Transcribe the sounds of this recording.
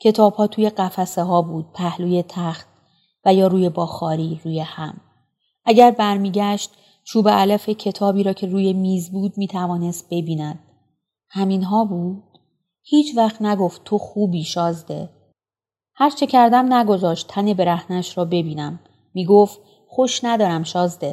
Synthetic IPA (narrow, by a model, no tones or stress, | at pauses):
cʰe̞t̪ʰɒːb̥hɒːt̪ʰuːje̞ɢæfæseɦɒːbuːd̪̥̚pʰæhluːje̞t̪ʰæxt̪̚ | væjɒːɾuːje̞bɒːxɒːɾiːɾuːje̞hæm | ʔæɟæɾbæɾmiːɟæʃt̪̚ | t͡ʃʰuːbeælæfecʰe̞t̪ʰɒːbiːɾɒːcʰe̞ruːje̞miːzbuːd̪̚miːt̪ʰævɒːne̞st̪̚b̥e̞biːnæd̪̥̚ | hæminɦɒːbuːd̪̥ | hiːt͡ʃʰvæxt̪næɡo̞ft̪t̪ʰoxuːbiːʃɒːzd̪e | hæɾt͡ʃʰe̞cʰæɾd̪æmnæɡo̞zɒːʃt̪ʰːænebe̞ɾæhnæʃɾɒːbe̞biːnæmː | iːɡo̞ft̪ | xo̞ʃnæd̪ɒːɾæmʃɒːzd̪e̞